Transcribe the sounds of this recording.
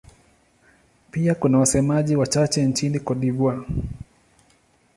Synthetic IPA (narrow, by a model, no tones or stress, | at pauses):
piakunawasɛmaʄiwat͡ʃat͡ʃɛnt͡ʃinikɔɗivwa